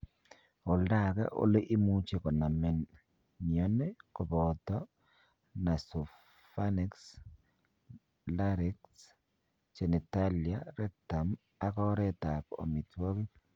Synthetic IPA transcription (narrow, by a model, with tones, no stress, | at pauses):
o˨lda˦˨kɛ̰˦ʔo̰˦le˦ʔɪ˦mu˦t͡ʃe˨kɔ˨na˨mɛ˨n | niɔ˦ne˦kɔ˨bɔt̪ɔ˦ | na˨so˨ | fanɪ˦ks | laɾɪ˦ks | t͡ʃɛ˨nɛ˨talja˦ɾɛ˦ta˨m | a˨kɔ˦ɾɛt̪a˨ko̰˨mi˨twɔ˦ki˦